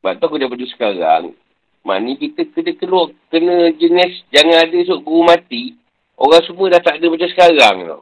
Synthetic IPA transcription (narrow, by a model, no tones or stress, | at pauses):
ba̰ʔ̚t̪ɔkudapədusə̥kaɾa̰ŋ | ma̰nikit̪əkədəkəluɔʔkənəd͡ʒənɛsd͡ʒaŋãadəs̬uʔɡumat̪i | oɣaŋsubədaht̪aʔdəbad͡ʒasə̥kaɾaŋlɔ̰